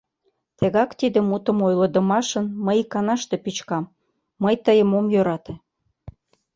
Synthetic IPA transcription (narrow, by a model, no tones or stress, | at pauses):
t̪eɣɑkt̪id̪ĕmut̪ə̆mojləd̪ə̆mɑʃənməjkɑnɑʃt̪epit͡ɕkɑmː | əjt̪əjəmomjøɾɑt̪e